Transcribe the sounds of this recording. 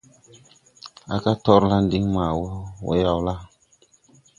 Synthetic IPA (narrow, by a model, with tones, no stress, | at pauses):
a̰˨ka˦tɔ˦ɾla˦ndi˦ŋma˨wɔ˦wo̰˦ja˦wla˦